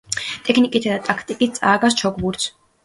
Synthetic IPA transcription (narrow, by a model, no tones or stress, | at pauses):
t̪ʼɛkʰnikʼit̪ʰad̪at̪ʼakʰt̪ʼikʼit̪̚tsʼaːɡas̬t͡ʃʰɔkʰʼbuɾt̪s